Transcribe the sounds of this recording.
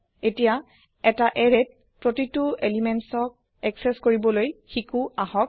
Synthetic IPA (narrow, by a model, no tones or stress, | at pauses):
etija | ɛtaʔɛɹed̚ | pɹotituelimɛnsɔk̚ | ɛksɛskoɹibɔlojxikuaɦɔk̚